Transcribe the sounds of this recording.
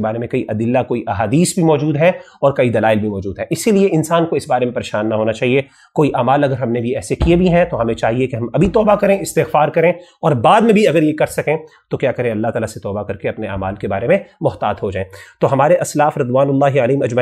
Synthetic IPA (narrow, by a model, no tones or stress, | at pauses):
baːɾemẽkɐiʔɐd̪ɪlːakoːiʔɐɦaːd̪iːsbʱimɔːd͡ʒuːd̪ɦɛ | ɔːɾkɐid̪ɐlaːɪlbʱimɔːd͡ʒuːd̪ɦɛʔɪsilieɪnsaːnkoɪsbaːɾemẽpɐɾeːʃaːnːaɦoːnat͡ʃaːɦie | koːiʔaːmaːlɐɡəɾɦɐmnebʱiɛːsekiebʱiɦɛ̃t̪oɦɐmẽt͡ʃaːɦiekeɦɐmɐbʱit̪ɔːbakɐɾẽɪst̪ɪxfaːɾkɐɾẽɔːɾbaːd̪mẽbʱiɐɡəɾjekɐɾsɐkẽ | t̪okjaːkɐɾẽɐlːaɦt̪aːlaset̪ɔːbakɐɾkeɐpnea̰ːmaːlkebaːɾemẽmʊht̪aːt̪ɦod͡ʒaːẽt̪oɦɐmaːɾeʔɐslaːfɾɪd̪waːnʊlːaːɦialiːmɐd͡ʒmɐ